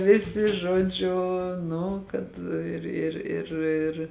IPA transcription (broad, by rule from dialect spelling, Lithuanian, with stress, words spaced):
ˈʋʲɪsʲɪ ˈʒuɔˌd͡ʒʲʊ ˈnʊ kɐt ˈɪr ɪr ɪr ˈɪr